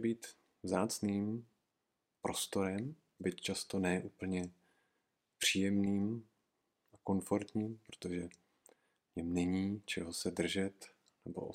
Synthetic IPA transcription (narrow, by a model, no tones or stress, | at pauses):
biːt̪ | vzaːt͡sniːm | pɾo̞st̪o̞ɾɛm | bɪt̪t͡ʃast̪o̞nɛːʔuːpl̩ɲɛ | pr̝̥iːjɛmniːm | ʔako̞nfoɾt̪ɲiːmpɾot̪oʒɛ | ɲɛmnɛɲiːt͡ʃɛɦosɛdr̩ʒɛt̪ | nɛbo̞̰ʔo